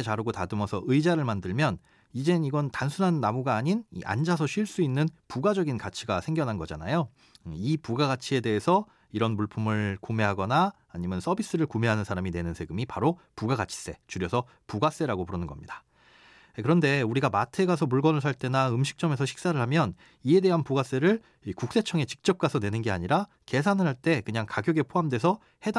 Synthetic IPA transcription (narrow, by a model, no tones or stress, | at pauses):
et͡ɕaɾɯɡotadɯmʌsʰʌʔɯjd͡ʑaɾɯɭmandɯɭmjʌn | id͡ʑe̞niɡʌntansʰunɦanːamuɡaːɲinḭʔa̰nd͡ʑasʰʌɕʰɥiɭs͈uinːɯnpuɡad͡ʑʌɡinkat͡ɕʰiɡasʰe̞ŋɡjʌnɦanɡʌd͡ʑana̰jo | ipuɡaɡat͡ɕʰie̞de̞ɦesʰʌ | iɾʌnmuɭpʰumɯɭkome̞ɦaɡʌnaː | ɲimjʌns͈ʰʌbis͈ɯɾɯɭkumeɦanɯnsʰaɾamine̞nɯnsʰe̞ɡɯmipaɾo | puɡaɡat͡ɕʰi̥s͈e̞t͡ɕuɾjʌsʰʌ | puɡas͈e̞ɾaɡopuɾʌnɯnɡʌmɲidḁ | kɯɾʌnde̞uɾiɡamatʰe̞ɡasʰʌmuɭɡʌnɯɭsʰaɭt͈e̞naɯmɕʰi̥k̚t͡ɕ͈ʌme̞sʰʌɕʰi̥k̚s͈aɾɯɭɦamjʌn | ie̞de̞ɦanpuɡas͈e̞ɾɯɭ | ikuk̚s͈e̞t͡ɕʰʌŋe̞t͡ɕi̥k̚t͡ɕ͈ʌp̚k͈asʰʌne̞nɯnɡe̞aɲiɾa | ke̞s̬ʰanɯɾɦaɭt͈e̞kɯɲaŋkaɡjʌɡe̞pʰoɦamdwe̞s̬ʰʌ | he̞d